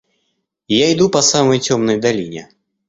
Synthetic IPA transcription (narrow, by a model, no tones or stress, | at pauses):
jaɪd̪upɐsaməjtʲomnəjd̪alʲinʲɛ̰